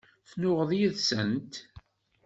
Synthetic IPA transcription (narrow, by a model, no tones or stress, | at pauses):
θnʊʁəðjiðsə̰nt̪